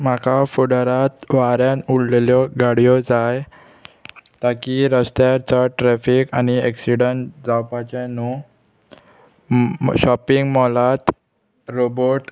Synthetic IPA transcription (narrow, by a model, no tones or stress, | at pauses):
makʰafuɽəɾat̪ʋaɾjãnulleljɔɡaɽ̤ijɔd͡zaj | t̪akiɾəst̪jaɾt͡saʈɾɛfikaniɛksiɽəɳd͡zawpat͡ɕanu | ɕɔpiŋɡmɔlat̪ | ɾoboʈ